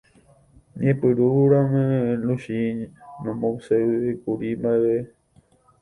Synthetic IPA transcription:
ɲẽpɨɾuɾãmẽluʃinõmõseekuɾimaʋe

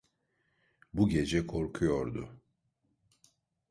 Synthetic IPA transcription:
buɟe̞d͡ʒɛkʰo̞ɾkʰujo̞ɾd̪ʊ

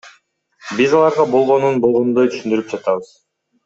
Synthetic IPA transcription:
bizɑlˠɑɾʁɑbo̞lˠʁo̞nunbo̞lˠʁo̞nd̪ojt̪ʰy̥ʃynd̪yɾyp̚d͡ʒɑt̪ɑβɯz̥

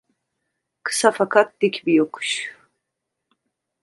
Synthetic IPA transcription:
kʰɨ̥safakʰat̪̚d̪ikʲʰbijokʰu̥ʃ

